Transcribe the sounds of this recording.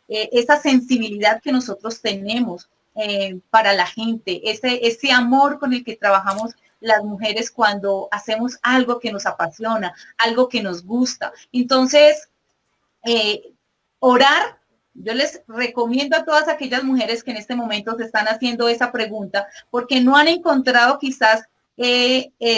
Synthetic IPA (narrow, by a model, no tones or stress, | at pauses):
eʔesase̞nsiβ̞iliðaðke̞no̞so̞t̪ɾo̞st̪e̞ne̞mo̞s | epaɾalaxe̞nt̪e̞ʔeseʔese̞amo̞ɾko̞ne̞lke̞t̪ɾaβaxamo̞s | lazmuxe̞ɾe̞skwand̪o̞ase̞mo̞salɡo̞ke̞no̞sapasjo̞naalɡo̞ke̞no̞zɡust̪a̰ent̪o̞nse̞s | e | o̞ɾaɾ | d͡ʒo̞le̞sre̞ko̞mje̞nd̪oat̪o̞ð̞asake̞ʝazmuxe̞ɾe̞skeːnest̪e̞mo̞mẽ̞nt̪o̞se̞st̪anasje̞nd̪o̞e̞sapɾe̞ɣunt̪apo̞ɾke̞no̞ane̞ŋkont̪ɾaðo̞kisas | ee